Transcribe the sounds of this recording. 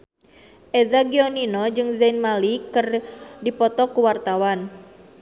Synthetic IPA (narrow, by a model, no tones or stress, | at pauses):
ʔedaɡiɔninɔd͡ʒɨŋzanmalikɨrdipɔt̪ɔkuwart̪awan